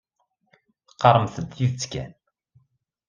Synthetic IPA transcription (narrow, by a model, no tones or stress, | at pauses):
θqːɑɾˤəmθəd̪jut͡sːkæ̰n